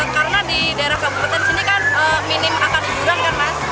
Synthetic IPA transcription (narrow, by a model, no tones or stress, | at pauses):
kaɾənadidaeɾahkabupat̪ɛnsinikanəminɪmakanibuɾankaɾəna